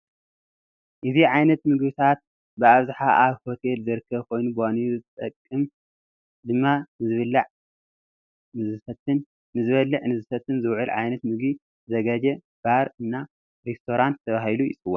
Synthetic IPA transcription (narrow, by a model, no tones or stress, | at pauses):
ʔɨziʕajnɐt̪mɨɡbit̪ʰat̪̚ | bɨaβzaħaʔaβho̞t̪ʰe̞lzɨɾɨkʰːɐβkʰo̞jnubwaniuzɨt̪ʼɐkʼːɨm | d̪ɨmːanɨzɨβɨlːaʕ | nɨzɨɐt̪ɨn | nɨzɨβɐlːɨʕnɨzɨfɐt̪ʰːɨnzɨwʕɨlʕajnɐt̪mɨɡi | zɐɡɐd͡ʒɐ | b̥aɾɨnːa | ɾest̪ʰo̞ɾant̪ʰːɐβahilujɪ̰t͡sʼɨwːo̰n